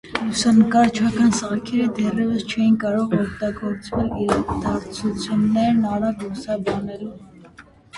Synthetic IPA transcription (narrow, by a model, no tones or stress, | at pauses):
lusɑnəkɑɾt͡ʃʰɑkɑnsəʁɑkʰɛɾəd̪ɛrɛvəst͡ʃʰɛjinkɑɾɔʁɔkt̪ɑɡɔɾt͡svɛliɾɑd̪ɑɾt͡sʰut͡sʰjunːɛɾnɑɾɑklusɑbɑnɛlu